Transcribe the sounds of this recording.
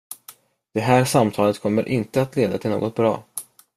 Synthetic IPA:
d̪̥ɛɦæːɾʂamt̪ʰɑːlət̪kʰɔmːəɾʔɪnt̪əat̪leːd̪at̪ʰɪlno̰ːɡɔt̪̚bɾɑ̰ː

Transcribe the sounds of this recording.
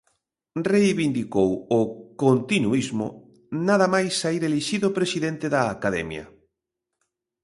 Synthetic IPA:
rejβind̪ikowʊkont̪inuizmʊ̰ | naðɐmajsːaiɾeliʃiðopɾesiðent̪eðɐːkaðɛ̰mjɐ̰

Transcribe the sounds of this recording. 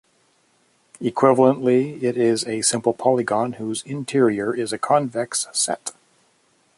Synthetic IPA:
ɨkʰw̥ɪvl̩ˠə̃nʔliɪɾɪzɨsɪ̃mpl̩ˠpʰɑlˠɨɡɑ̃nhuzɪ̃ntʰɪɹiə˞ʔɪzɨkʰɑ̃nvɛkssɛ̰t

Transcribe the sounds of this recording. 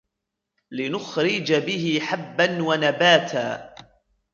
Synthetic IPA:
lɪnʊxɾɪd͡ʒabɪhɪħabːanwanabaːt̪ʰa̰ː

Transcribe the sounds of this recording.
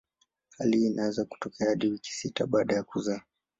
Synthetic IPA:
haliːnaɛzaku̥tɔkʰɛahaɗiwiki̥sitaɓaːɗajakuza

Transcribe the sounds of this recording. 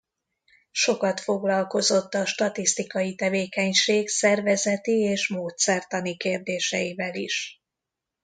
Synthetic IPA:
ʃo̞kɒt̪fo̞ɡlɒlko̞zo̞t̪ːɒʃt̪ɒt̪ist̪ikɒjit̪ɛveːkɛɲʃeːksɛrvɛzɛt̪ieːʃmoːt̪sɛrt̪ɒnikeːrd̪eːʃɛ̰jivɛlḭʃ

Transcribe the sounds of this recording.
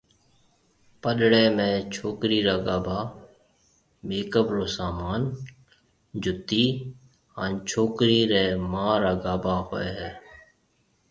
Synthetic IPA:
pəɗɽeːmẽːt͡ʃʰoːkɾiːɾaːɡaːbaː | meːkəbɾoːsaːmaːn | d͡ʒʊt̪iː | ɦa̰nt͡ʃʰoːkɾiːɾeːmãːɾaːɡaːbaːɦo̰ːeːɦɛː

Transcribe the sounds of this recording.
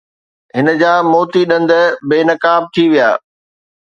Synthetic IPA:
ɦɪnə̆d͡ʑaːmoːt̪iɗɐ̃nd̪ə̆beːnɐkaːb̚t̪ʰiʋijaː

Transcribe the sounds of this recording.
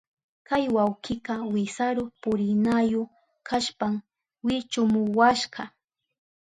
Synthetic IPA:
kajwawqɪqɑwɪsaɾʊpʊɾɪnajʊ | kʰaʃpam | wɪt͡ʃʊmʊwaʃɢɑ

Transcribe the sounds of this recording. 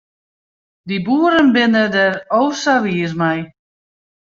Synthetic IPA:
dibuːəɾənbɪnədɛrowsaʋiəsmɛj

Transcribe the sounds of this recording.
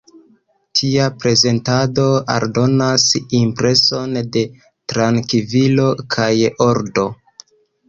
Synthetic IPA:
tʰiapɾe̞ze̞ntado̞a̰ɾdo̞nasimpɾe̞so̞nde̞ | tɾaŋkivilo̞kʰajo̞ɾdo̞

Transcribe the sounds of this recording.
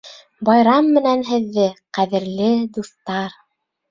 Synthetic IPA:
bɑjɾɑmːɘ̆nænɦɘ̆ðːɘqæðɘ̆ɾlɘd̪uθt̪ɑɾ

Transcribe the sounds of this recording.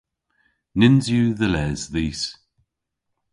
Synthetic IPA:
nɪnzjʉðəlɛzðiːs

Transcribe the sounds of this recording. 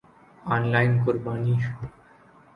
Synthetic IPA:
ɔnlajnkoɾbaniʃ

